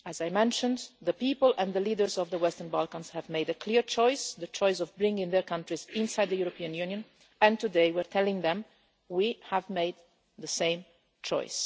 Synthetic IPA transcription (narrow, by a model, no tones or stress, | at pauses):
æzajmɛ̃nʃə̃nðəpiːpəlɛ̃nðəliːdə˞zɔvðəwɛstəɹnbalˠkə̃nz̥hævmeɪdəkʰliɹt͡ʃɔɪsðət͡ʃɔɪsɔvbɹɪ̃ŋɡɪ̃ŋðəɹkʌ̃ntɹizɪ̃nsajd̪ðəjuɾɔpiə̃njʉnjə̃n | ɛ̃ntudeɪwɪɹt̪ʰɛlɪ̃ŋðɛ̃m | wihævmeɪd̪̚ | ðəsẽɪ̃m | t͡ʃɔ̰ɪs